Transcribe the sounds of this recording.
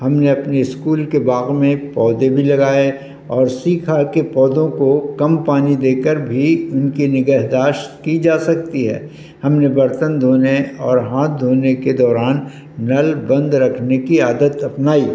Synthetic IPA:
hɐmneɐpneɪskuːlkebaːɣmẽpɔːd̪ebʱilɐɡaːe | ɔːɾsiːkʰakepɔːd̪õkokɐmpaːnid̪eːkəɾbʱiʊnkinɪɡəɦd̪aːʃt̪kid͡ʒaːsɐk̚t̪iɦɛ̰ː | hɐmnebɐɾt̪ənd̪ʱoːneɔːɾɦãːt̪̚d̪ʱoːneked̪ɔːɾaːnː | ɐlbɐ̃nd̪ɾɐkʰnekiaːd̪ət̪ɐpnaːiː

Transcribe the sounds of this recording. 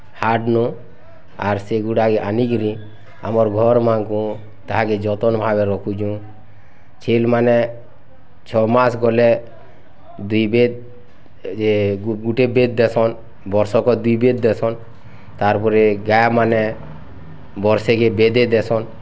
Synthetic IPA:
haʈnɔ | aɾseɡuʈakɛʔaniɡɾi | a̰mɔɾɡʱɔɾmankũ | t̪aɦaked͡ʒɔt̪ɔnbʱabɛɾɔkʰud͡ʒũ | t͡ʃʰelmanɛ | t͡ʃʰɔmasɡɔlɛ | d̪ujbed̪̚ | eɡuʈebed̪̚d̪ɛsɔn | bɔɾsɔkɔd̪ujbed̪̚d̪ɛsɔn | t̪aɾpɔɾɛɡajamanɛ | bɔɾsɛkebɛd̪ɛd̪ɛsɔn

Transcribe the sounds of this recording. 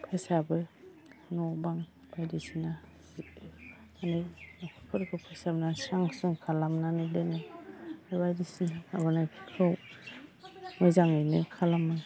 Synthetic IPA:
pʰajsabɯ | nɔbaŋ | b̥ajdisina | bit̚ɯ | anɯjakʰɯkʰɯɾkʰɯpʰajsabnasaŋsɯŋkʰalamnanɯdenɯ | bajdisinaabɯnajpʰi̥kʰɾaw | mɯzaŋɯjnɯkʰalamɯ

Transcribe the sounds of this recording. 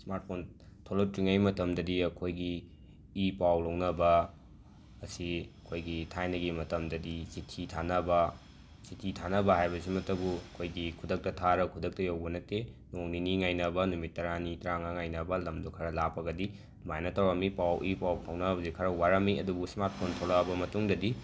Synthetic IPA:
smaɾt̚pʰon | tʰolotɾiŋajmɐtɐmdɐdiɐkʰojɡiː | pawlɐwnɐbɐː | siɐkʰojɡitʰajnɐɡimɐtɐmdɐdisitʰitʰanɐbɐ | sitʰitʰanɐbɐhajbɐsimɐtɐbuɐkʰojɡikʰudɐk̚tɐtʰaɾɐkʰudɐk̚tɐjawbɐnɐtenoŋniniŋajnɐbɐnumitːɐɾanitɾaŋaŋajnɐbɐlɐmdukʰɐɾɐlapːɐɡɐdi | majnɐtawɾɐmipawʔipawkʰɐwnɐbɐzikʰɐɾɐwaɾɐmiɐdubusmat̚kʰontʰolɐbɐmɐtuŋdɐdi

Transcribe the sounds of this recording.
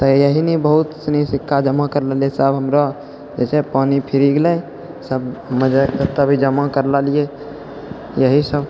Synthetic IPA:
t̪əjəɦinibəɦut̪sənisikʰːad͡ʒəmakəɾləliesəbɦəmɾɔ | d͡ʒet͡ʃʰɛpanipʰiɾiɡlɛj | səbməd͡ʒakəɾt̪əbʱid͡ʒəmakəɾlalije | jəɦisəb

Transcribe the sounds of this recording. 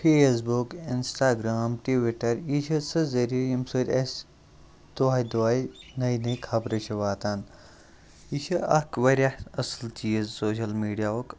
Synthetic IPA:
fʰeːs̬bukinsʈaːɡɾaːmʈiʋiʈɐɾit͡ʃʰɐsɨzɐɾijimsoɾʲɐs | d̪oaːjd̪oaːjnɐjnɐkʰɐbɾɐt͡ʃʰiʋaːt̪aːn | it͡ʃʰɐʔɐkʋɐɾʲaɐslt͡ʃiːzsoːɕɐlmiːɖijaːoːk

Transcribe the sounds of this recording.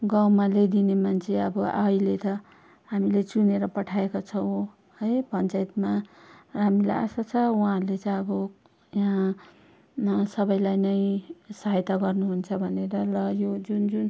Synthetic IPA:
ɡawmaled̪inemant͡sʰeʌbʌʔajlet̪ʌ | ɦamilet͡suneɾʌpʌʈʰaekot͡sʰʌw̃ | hʌjpʌnt͡saet̪maɦamila̰ja̰sat͡sʰʌuɦãrlet͡sʌjʌbʌ | jɦã | sʌbʌjlajnʌjsaɦajt̪aɡʌrnuɦunt͡sʰʌbʱʌneɾʌlʌjod͡zund͡zun

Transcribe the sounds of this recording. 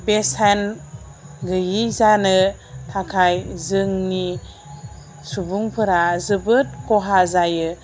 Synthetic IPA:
besan | ɡɯjizanɯtʰakʰajzɯŋni | subuŋpʰɯɾazɯbɯt̚kɔɦazajɯ

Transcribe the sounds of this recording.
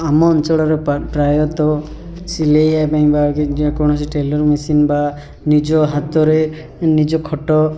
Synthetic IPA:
amɔnt͡ʃɔɽɔɾepɾajɔt̪ɔ | silejapaj̃bakkɔɽ̃ɔsiʈelɔɾmisinba | nid͡ʒɔɦat̪ɔɾe | nid͡ʒɔkʰɔʈɔ

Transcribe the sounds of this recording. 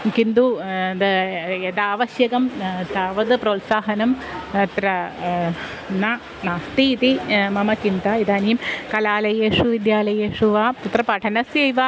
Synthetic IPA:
kind̪ud̪ed̪aːʋɐɕjɐɣɐmt̪aːʋɐd̪ɨproːt̪saːɦɐnɐmɐt̪ɾɐ | na | naːst̪iːt̪imɐmɐt͡ʃind̪ɐid̪aːnijɐmkɐlaːlɐjeːʂuʋid̪jaːlɐjeːʂuʋaːput̪rɐpɐʈʰɐnɐsjejʋa

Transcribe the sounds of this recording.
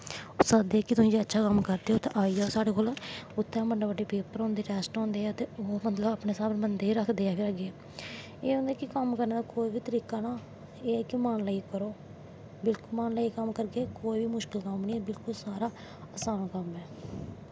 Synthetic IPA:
ʊsaːd̪eːkɪt̪ʊsĩːd͡ʒeːətːʃʰaːkəmkəɾd̪eːɦoːt̪ʰːʔaːiːd͡ʒaːoːsaːɽeːkoːlaʊt̪ʰːɛ̃ːməɳɖaːbəɖeːpeːpəɾɔ̃ːnd̪eːʈɛːsʈɔ̃ːnd̪eːɛːət̪eːoːmət̪ləbaːpɳeːsaːbbənd̪eːiːɾəkʰd̪eːɛːpʰɪɾəɡeɛː | eːõːnd̪aːkɪkəmkəɾneːd̪aːkoːiʋiːt̪əɾiːkaːnaː | eːɛːkɪmaːnlaiːkəɾoː | bɪlkʊlmaːnlaːiːkəmkəɾkeːkoːiːʋiːmʊʃkɪlkəmniːɛːbɪlkʊlsaːɾaː | əsaːnaːkəmɛː

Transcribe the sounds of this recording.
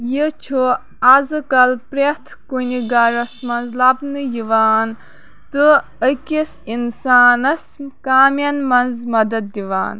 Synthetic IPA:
jit͡ʃʰu | azɨkɐlpɾet̪ʰkuniɡaɾɐsmɐnzlabnɨjiʋaːn | t̪ɨ | əkisinsaːnɐskaːmjɐnmɐnzmɐd̪ɐd̪̚ːiʋa̰ːn

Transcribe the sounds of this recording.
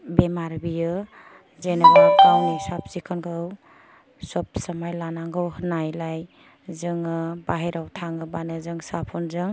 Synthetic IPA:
bemaɾbijɯ | zenabakawnisap̚sikʰɯnkʰɯw | sɔp̚səmajlanaŋɡɯwhɯnajlaj | zɯŋɯbaɦeɾawtʰaŋɯbanɯzɯŋsapʰɔnzɯŋ

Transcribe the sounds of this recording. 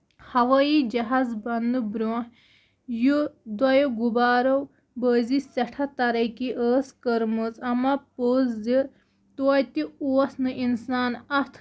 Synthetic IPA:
hɐʋɐːid͡ʒɐɦaːzbɐnd̪ɨbɾoːh | jud̪wɐjoɡubaːɾow | bəːzisɐʈʰɐt̪ɐɾɐkiʔəːskəɾmɨzɐmɐpoːzzi | t̪oɐjt̪iuɐsnɨʔinsaːnɐt̪ʰ

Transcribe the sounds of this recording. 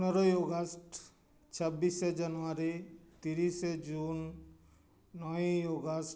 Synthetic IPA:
pnɔɾɔjoɡəsʈ | t͡ʃʰəbːised͡ʒanuaɾit̪iɾised͡ʒun | ɔjoɡəs

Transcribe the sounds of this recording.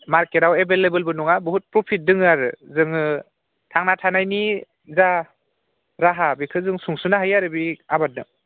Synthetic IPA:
maɾkeɾawebelebɯlbɯnuŋabuɦut̚pɾɔpʰit̚dɯŋɯaɾɯzɯŋɯ | tʰaŋnatʰanajni | za | ɾaɦabikʰɯzɯŋsuŋsunaɦajaɾɯbiabat̚nɯ

